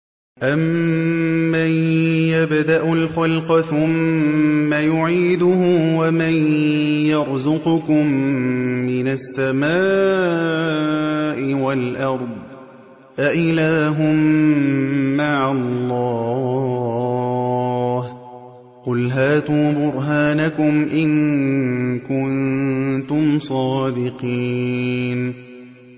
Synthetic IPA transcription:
ʔamː | ajjabd̪aʔʊlxalqɑθʊmː | ajʊʕiːd̪ʊhʊwamanjɑɾˤzʊqʊkʊmː | ɪnasːamaː | ʔɪwalʔɑɾˤd̪ˤ | ʔaʔɪlaːɦʊmː | aʕalːɑː | h | qʊlɦaːt̪uːbʊɾɦaːnakʊmʔɪŋ | kʊnt̪ʊmsˤɑːd̪ɪqiːn

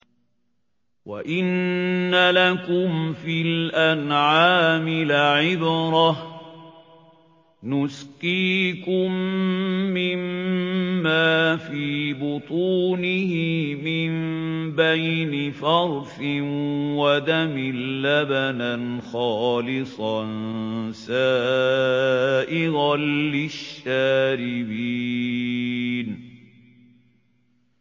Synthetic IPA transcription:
wa̰ʔɪnːalakʊmfɪlʔanʕaːmɪlʕɪbɾˤɑ | nʊsqiːkʊmː | ɪmː | aːfiːbʊt̪ˤuːnɪhɪmɪmbajnɪfɑɾˤfɪwad̪amɪllːabananxɑːlɪsˤɑnsaː | ʔɪɣalɪʃːaːɾɪbiː | n

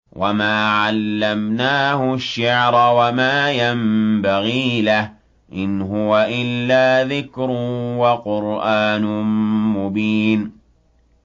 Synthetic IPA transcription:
wʔamaːʕalːamnaːhʊʃːaʕɾˤawamaːjambaɣiːlah | ʔɪnɦʊwaʔɪlːaːðɪkɾʊwaqʊɾʔaːnʊmʊbiːn

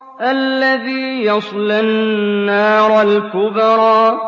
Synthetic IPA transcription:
ʔalːaðiːjɑsˤlanːaːɾˤalkʊbɾˤɑː

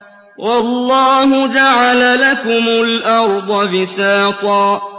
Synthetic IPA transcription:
wʔɑlːɑːɦʊd͡ʒaʕalalakʊmʊlʔɑɾˤd̪ˤɑbɪsaːt̪ˤɑː

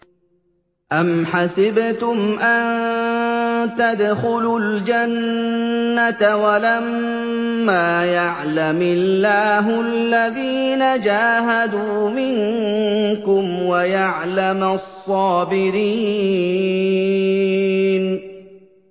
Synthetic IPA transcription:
ʔamħasɪbt̪ʊmʔan | t̪ad̪xʊlʊld͡ʒanː | at̪walammː | aːjaʕlamɪllːaːɦʊalːaðiːnad͡ʒaːɦad̪uːmɪŋ | kʊmwajaʕlamsˤːɑːbɪɾiː | n

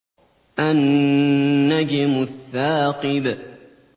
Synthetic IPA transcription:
ʔanː | ad͡ʒɪmʊθːaːqɨb

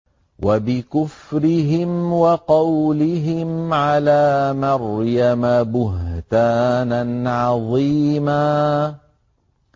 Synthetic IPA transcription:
wʔabɪkʊfɾɪɦɪmwɑqɑwlɪɦɪmʕalaːmɑɾjamabʊɦt̪aːnanʕɑðˤiːmaː

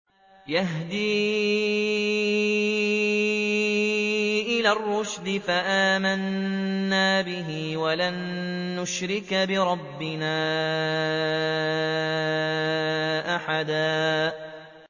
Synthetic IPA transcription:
jaɦd̪iː | ʔɪlaːrːʊʃd̪ɪfaʔaːmanː | aːbɪɦiwalanːʊʃɾɪkbɪɾˤɑbːɪnaː | ʔaħad̪aː

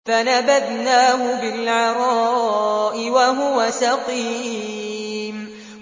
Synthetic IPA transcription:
fanabad̪naːɦʊbɪlʕɑɾˤɑːʔɪwaɦʊwasɑqiː | m

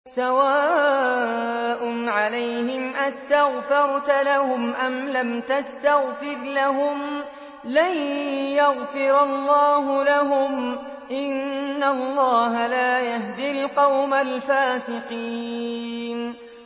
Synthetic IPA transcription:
sawaː | ʔʊnʕalajhɪmʔast̪aɣfɑɾˤt̪alahʊmʔamlamt̪ast̪aɣfɪɾlaɦʊm | lajjaɣfɪɾɑlˤːɑːɦʊlaɦʊm | ʔɪnːalːɑːɦalaːjaɦd̪ɪlqɑwmalfaːsɪqiː | n

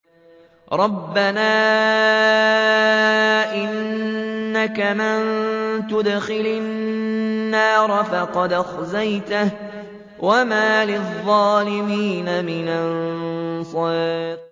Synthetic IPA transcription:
ɾˤɑbːanaː | ʔɪnː | akamɪnt̪ʊd̪xɪlɪː | ɑːɾˤɑfɑqɑd̪axzajt̪ah | wamaːlɪðˤːɑːlɪmiːnamɪnansˤɑː

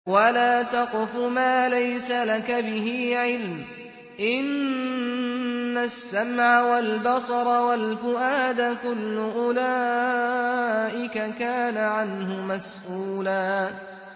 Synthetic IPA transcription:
walaːt̪ɑqɪfʊmaːlajsalakabɪɦiːʕɪlm | ʔɪn | asːamʕawalbɑsˤɑɾˤɑwalfʊʔaːd̪akʊlːʊʔʊlaː | ʔɪkakaːnaʕanɦʊmasʔuːlaː

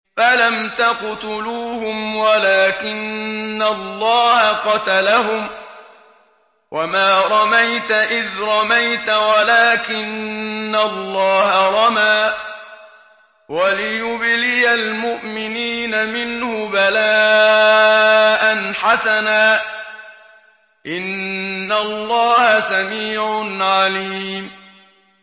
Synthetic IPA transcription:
falamt̪aqt̪ʊluːhʊmwalaːkɪnːalːɑːhaqɑt̪alaɦʊm | wʔamaːɾˤɑmajt̪aʔɪðɾˤɑmajt̪awalaːkɪnːalˤːɑːhaɾˤɑmaː | walɪjʊblɪjalmʊʔmɪniːnamɪnhʊbalaː | ʔanħasanaː | ʔɪnːalˤːɑːhasamiːʕʊnʕaliːm

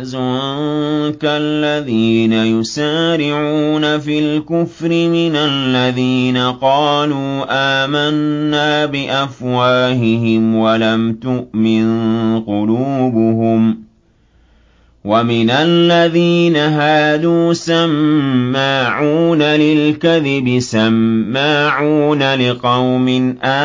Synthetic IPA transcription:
zʊ | kalːaðiːnajʊsaːɾɪʕuːnafilkʊfɾɪmɪnalːaðiːnaqɑːluːʔaːmanːaːbɪʔafwaːɦɪɦɪmwalamt̪ʊʔmɪnqʊluːbʊhʊm | wamɪnalːaðiːnaɦaːd̪uːsamːaːʕuːnalɪlkaðɪbɪsamːaːʕuːnalɪqɑwmɪnʔa

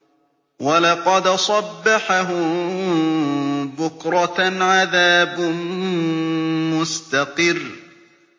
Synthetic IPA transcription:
walɑqɑd̪sˤɑbːaħaɦʊm | bʊkɾˤɑʕaðaːbm | mʊst̪aqɨrː

